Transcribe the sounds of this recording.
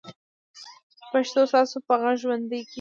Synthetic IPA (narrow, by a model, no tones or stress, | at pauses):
paʃt̪ost̪ɑsopaɣaʒwand̪əjk